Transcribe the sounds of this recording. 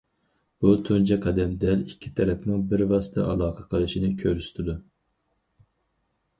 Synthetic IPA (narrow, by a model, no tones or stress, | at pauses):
b̥ut̪ʰund͡ʒɛqʰɛd̪ɛmd̪ɛlikʲʰːi̥t̪ʰɛɾɛpnɪŋbɪɾvɑsɨ̥t̪ʰɛ̰ʔɑlˠɑːqʰəqʰəlˠɨʃinɪkʲʰøɾyst̪ʰɪd̪u